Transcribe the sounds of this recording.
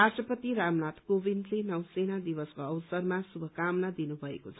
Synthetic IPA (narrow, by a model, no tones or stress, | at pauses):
asʈrʌpʌt̪iɾamnat̪kobind̪lenʌwsenad̪ibʌskoʌwsʌrmasubʱʌkamnad̪inubʱʌḛkot͡sʰʌ